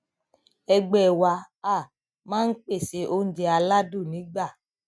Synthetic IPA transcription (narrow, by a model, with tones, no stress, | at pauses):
ɛ˧ɡ͡bɛ˦˨wa˧ | a˦˨ | mãː˦n̩˦k͡pe˦˨se˧˦ʔo˦n̩˦d͡ʒe˧a˧la˦du˦˨nĩ˨˦ɡ͡ba˦˨